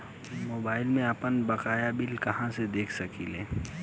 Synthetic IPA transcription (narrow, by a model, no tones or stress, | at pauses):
moːbaːɪlmẽəpənbɐkaːjabɪlkɐɦãsed̪eːkʰsɐkḭleː